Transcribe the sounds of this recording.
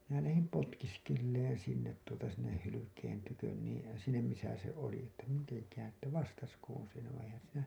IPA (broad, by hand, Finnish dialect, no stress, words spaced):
minæ læhim potkiskelːeːn sinːet tuotɑ sinːeh hylykeːn tykøn niːn̞ sinːem misæ se oli etːæ miteŋkæːn etːæ ʋɑstɑskoːn̞ se